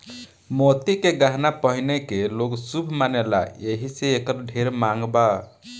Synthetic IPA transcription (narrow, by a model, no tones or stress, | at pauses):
mot̪ikeɡaɦnapəɦinekeloɡsubʱmanela̰jeɦiseekəɾɖʱeɾmaŋɡba